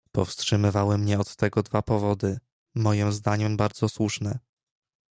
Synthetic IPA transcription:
pɔ̰fstʂɘmɘvawɘmɲɛɔt̪ːɛɡɔd̪vapɔvɔd̪ɘ | mɔjimzd̪aɲɛmbaɾd̪zɔswuʂnɛ

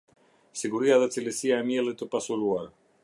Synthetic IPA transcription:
siɡuɾiaðəsilisiaemjelət̪opasuluaɾ

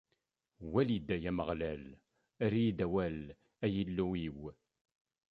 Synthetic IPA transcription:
wælid̪æjæməʁlæl | æɾijid̪æwæl | æjilːuiw

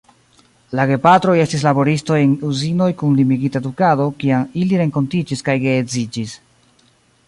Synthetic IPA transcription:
laɡe̞patɾo̞je̞stis̬labo̞ɾisto̞e̞nuzino̞jkunlimiɡitadukado̞kiamiliɾe̞ŋko̞ntid͡ʒiskajɡeːd͡zid͡ʒis

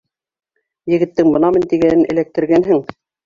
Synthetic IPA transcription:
jɘ̆ɡɘ̆t̪ːɘŋbɤ̆nɑmɤnt̪iɡænɘnɘ̰̆læk̚t̪ɘ̆ɾɡænɦɘŋ

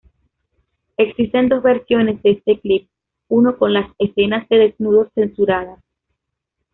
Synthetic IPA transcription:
e̞ksist̪e̞nd̪o̞zβe̞ɾsjo̞ne̞zðeest̪e̞klip̚ | uno̞ko̞nlasese̞nazðe̞ðe̞znuð̞o̞se̞nsuɾað̞as

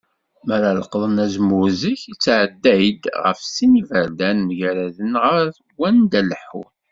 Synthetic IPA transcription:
məɾaləqðˤənæzmuziçit͡sːʕəd̪ːæjd̪ʁə̰fsinivəɾd̪ænməʝɾæðənʁəɾθɡːænd̪æləħːṵɾ

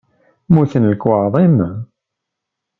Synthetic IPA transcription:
muθənləkwəʕðˤim

